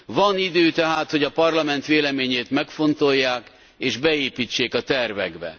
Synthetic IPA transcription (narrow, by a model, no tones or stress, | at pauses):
vɒnid̪øːt̪ɛɦaːt̪ho̞ɟɒpɒrlɒmɛn̪t̪ʋeːlɛmeːɲeːt̪mɛkfo̞nt̪o̞jːaːk | eːʒbɛeːpiːt͡ʃːeːkɒt̪ɛrvɛ̰ɡbɛ̰